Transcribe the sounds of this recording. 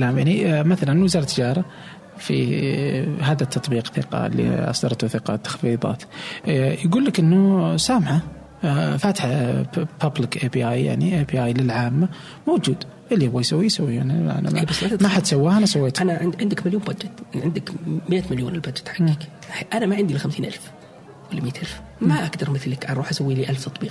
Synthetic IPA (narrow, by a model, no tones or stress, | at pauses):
laːmjaʕnimaθalanwɪzɑːɾˤɑt̪ːɪd͡ʒɑːɾˤɑ | fḭ | ɦaːðat̪ʰːɑt̪ˤbiːqθɪqɑ̰ɪ̰lːḭʔɑ̰sˤd̪ɑɾˤt̪uθɪqɑ̰t̪ːɑ̥xfiːðˤɑ̰ːt̪ | jɡuːlːɪkʔɪnːʊsaːmʕa | faːt̪ħapʰablɪkʔebiʔaːjja̰ʕniʔebiʔaːjlɪlʕaːmːa | mowd͡ʒuːd̪ | ʔɪlːibwajsawːijsawːianiʔa̰na̰basmammaħad̪sawːiʔanasawːeːt̪ʔanaʕɪnd̪ɪkmaljuːmbad̪d͡ʒɪt̪ʕɪnd̪ɪkmɪʔamaljuːnɪlbad͡ʒɪ̥t̪ʕak | ʔanamaʕɪnd̪ilxamsiːnʔalf | wɪlːamiːt̪ʔalfmaʔaɡd̪ɑɾˤmɪθlɪkʕaˤɾuːħʔasawːiliːʔalft̪ɑt̪ˤbiː